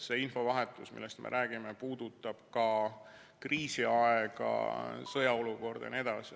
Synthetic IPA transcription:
seinfo̞vɑɦe̞t̪ˑusmḭlːest̪mʔḛɾʔæːɡ̥ime̞puːd̪̥ut̪ːˑɑb̥̚kɑ | kriːsiɑeɡ̥ɑ̰sɤjɑo̞luko̞rd̪̥ɑ̰ned̪̥ɑsi

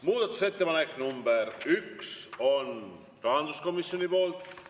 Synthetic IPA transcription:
muːd̪̥ɑt̪ːˑuse̞t̪ːe̞pɑnekːˑnumbeɾykso̞n | rɑɦɑnd̪̥usko̞misjo̞nipo̞ːlt̪ˑ

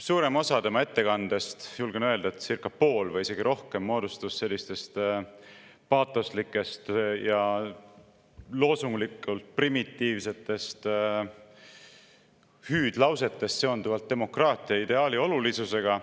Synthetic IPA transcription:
suːɾe̞mo̞sɑt̪e̞mɑe̞t̪ːe̞kɑnd̪̥e̞st̪julɡ̥enøe̞ld̪̥ɑet̪sirkːˑɑpo̞ːlvɤjise̞ɡ̥iɾo̞hke̞mːo̞ːd̪̥ust̪usse̞lʲːist̪e̞st̪ | pɑːt̪ːˑoslikːˑe̞st̪jɑ | lo̞ːsuŋɡlikˑult̪̚primit̪ːiːvse̞t̪ːˑe̞st̪ | hyːd̪̥lɑwse̞t̪ːˑe̞st̪se̞o̞nd̪uvɑlt̪̚ːe̞mo̞krɑːt̪ˑiɑid̪e̞ɑːlio̞lulisuse̞ɡ̥ɑ

